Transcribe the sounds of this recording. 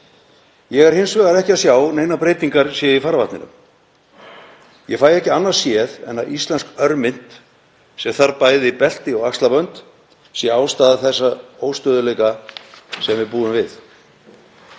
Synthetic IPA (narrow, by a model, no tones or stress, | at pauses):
jɛɣɛɾ̥hɪnsvɛɣaɾɛhcɪaðsjaːwneːjnapɾeːjt̪iŋkaɾ̥sjɛifaɾvaht̪nɪnʏ̰m | jɛfaːjɛhcɪanːaɾ̥sjɛðɛ̰nːaist̪lɛnskœɾmɪn̥t̪ | sɛmθaɾpaːjðɪipɛl̥t̪ɪɔɣakst̪lapœnt̪ | sjɛaːwst̪aːðaθɛsːaoːwst̪œːðʏlejka | sɛmvɪðpuːðʏmvɪθ